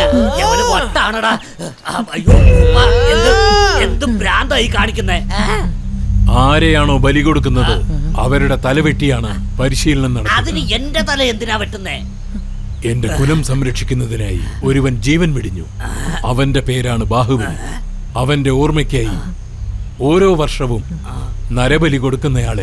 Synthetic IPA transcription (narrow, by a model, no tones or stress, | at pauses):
ɐʋɐnʋɐʈːaːɳɐɽa | ɐjoːmaend̪uend̪umɾaːnd̪aːjikːaːɳikʲːunːe | aːɾejaːɳo̞ːbɐliɣo̞ɽuk̬ːunːɐðɨɐ̰ʋɐɾuɽe̞t̪ɐlɐʋeʈːijaːɳɨpɐɾiʂiːlɐɳenɐɽɐkɐðinɨe̞ndet̪ɐlɐe̞nd̪inaːʋɐʈːunːeː | e̞nde̞kulɐmsɐmɾɐkʂikʲːunːɐðinaːjḭo̞ɾuʋɐnd͡ʑiːʋɐnʋiɽiɲːuɐʋɐnde̞pe̞ːɾaːɳɨbaːɦuʋɐlu | ɐʋɐnde̞uːrmɐkʲːaːji | o̞ːɾo̞ːʋɐrʂɐʋum | nɐɾɐbɐliko̞ɽukːunːɐjaːɭe